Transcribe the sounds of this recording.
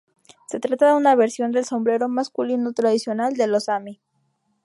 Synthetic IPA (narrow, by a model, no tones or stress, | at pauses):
se̞t̪ɾat̪aðeunaβ̞eɾsjo̞nd̪e̞lso̞mbɾe̞ɾo̞maskulinot̪ɾaðisjo̞nald̪e̞losami